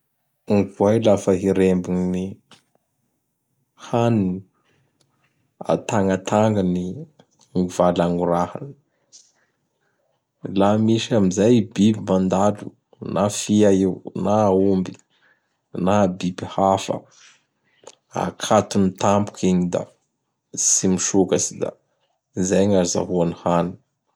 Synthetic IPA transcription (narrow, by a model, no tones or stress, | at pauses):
uŋkuajlafəɦiɾembuŋini | hanini | a̰t̪aŋat̪ʰaŋɡəni | ŋuvalaŋɡuɾaha̰n | lamiʃiamizajbibimand̪alṵ | nafiaiwnaumbi | nabibihafə̰ | a̰kʰat̪unit̪ampu̥kʰiɲid̪a̰ | simiʃukasid̪a̰ | izajɲaɾiza̰ɦuanihani̥